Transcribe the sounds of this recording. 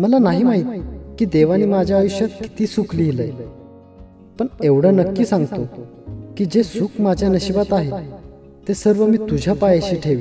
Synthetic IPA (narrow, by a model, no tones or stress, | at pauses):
məlanaɦiːmaɦit̪̚kiːd̪eʋaniːmad͡ʑʱjaːʋuɕjəkkːi̥t̪iːsukliːləj | pəɳeʋɽ̤ənəkːiːsãŋɡt̪o | kiːd͡ʑesukmad͡ʑʱjanəɕibat̪aɦe | t̪ːesəɾʋəmiːt̪ud͡ʑʱjapajəɕiːʈʰeʋiː